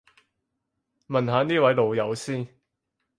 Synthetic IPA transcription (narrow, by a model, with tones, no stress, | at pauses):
mɐ˨nɦaː˨˧˥niː˥wɐ˨˥jlo˨wjɐ˨˧wsiː˥n